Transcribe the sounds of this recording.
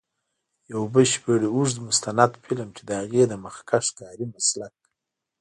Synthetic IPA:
jawbəlʃbeɽeuʐd̪əmʊst̪anad̪pʰilamt͡ʃed̪əhaɣed̪əmaxkaʂkɑːɾimaslak̚

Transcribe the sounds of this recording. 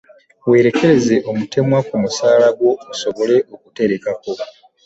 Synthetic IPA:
weːɾe̞ke̞ɾe̞ze̞ʔo̞mute̞mwakumusaːlaɡwo̞uso̞βo̞le̞ʔo̞kute̞ɾe̞kako̞

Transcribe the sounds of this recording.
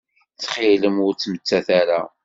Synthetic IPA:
θχɪləmʊɾt͡sːmət͡sːæθæɾa

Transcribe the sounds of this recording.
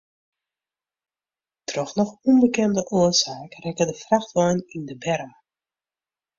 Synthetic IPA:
trɔχnɔχumbəkɛndəʔʊəsaːkrɛkədəfraxtɔjnindəbɛɾa

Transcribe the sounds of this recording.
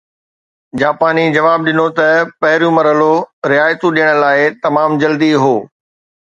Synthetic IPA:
d͡ʑaːpaːnid͡ʑɐʋaːb̚ɗɪnot̪ɐpɐɦɪɾjũmɐɾəloɾɪaːjt̪ũɗijəɽ̃ə̆laːɪt̪ɐmaːmd͡ʑɐld̪iɦoː

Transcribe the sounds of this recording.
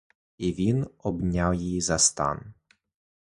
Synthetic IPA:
ʔɪvinʔɔbɲaljizast̪a̰ːn

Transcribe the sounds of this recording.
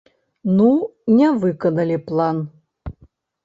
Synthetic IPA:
nunʲɛvɨkɐnɐlʲiplˠan

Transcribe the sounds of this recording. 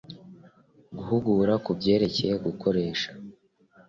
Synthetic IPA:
ɡuhuɡuːɾakubɟe̞ːɾe̞ce̞je̞ɡukʰo̞ɾe̞ːʃḁ

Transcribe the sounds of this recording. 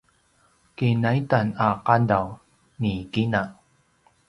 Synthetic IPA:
kinajtanaqadaw | nikina

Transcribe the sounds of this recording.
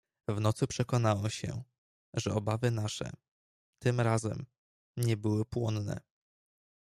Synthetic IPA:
vnɔt̪supʂɛkɔnawɛɕɛ̰ | ʐɛɔbavɘnaʂɛ̰ | t̪ɘmɾazɛ̰m | ɲɛbɘwɘpwɔnnɛ̰

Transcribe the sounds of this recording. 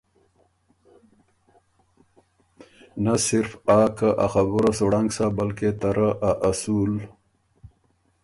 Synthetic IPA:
nasɪɾfaːkaʔaxabuɾasoɽaŋɡsabalket̪aɾaʔaʔasul

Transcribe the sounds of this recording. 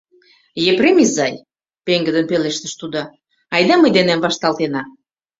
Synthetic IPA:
jepremizɑj | peŋɡə̆d̪ə̆npeleʃt̪ə̥̆ʃt̪ud̪ɑ | ɑjd̪ɑməjd̪enæmvɑʃt̪ɑlt̪enɑ

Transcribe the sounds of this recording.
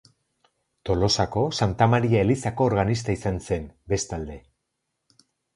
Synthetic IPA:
t̪o̞lo̞sako̞sant̪amaɾiae̞lisako̞ːɾɣanis̬t̪aisanse̞nbe̞st̪ald̪e̞

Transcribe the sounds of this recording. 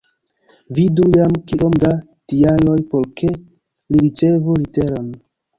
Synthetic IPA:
vidujamkiʔo̞mda | tialo̞jpo̞ɾkʰe̞ | liɾit͡ʃe̞vulite̞ɾon

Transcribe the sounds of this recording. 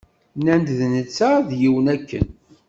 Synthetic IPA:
nænd̪ðnət͡sːaðjiwənækːə̰n

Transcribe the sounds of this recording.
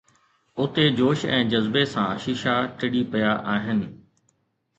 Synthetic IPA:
ʊt̪ed͡ʑoːʃɛ̰̃ːd͡ʑɐzbesãʃɪʃaʈɪɽipɐjaʔaːɦɪnɪ̆

